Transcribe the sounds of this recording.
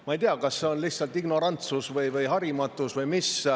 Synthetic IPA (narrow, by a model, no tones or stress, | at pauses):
mɑejt̪eɑkɑsːe̞o̞nlihtsɑlt̪iɡ̥no̞ɾɑnt̪susvɤjvɯjɦɑɾimɑt̪ːˑusvɤjmis